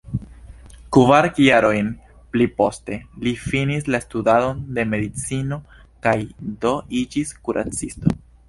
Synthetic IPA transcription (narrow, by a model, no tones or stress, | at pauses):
kuvaɾkjaɾo̞jn | plipo̞ste̞lifinislastudado̞nde̞me̞d̪it͡sino̞ | kajdo̞ʔid͡ʒiskuɾʔa̰t͡sisto̞̰